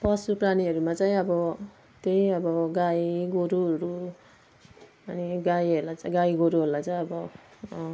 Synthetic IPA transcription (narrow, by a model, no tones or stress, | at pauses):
pʌsupraniɦʌɾumat͡saĩʌbʌ | t̪eĩʌbʌɡaiɡoɾuɦʌɾu | ʌniɡajɦʌɾlat͡sɡaiɡoɾuɦeɾlat͡saj̃ʌbʌ